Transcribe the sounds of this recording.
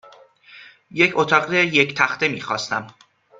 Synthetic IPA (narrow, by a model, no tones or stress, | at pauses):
je̞cʰot̪ʰɒːɢɾejecʰt̪ʰæxt̪e̞miːxɒ̰ːst̪æm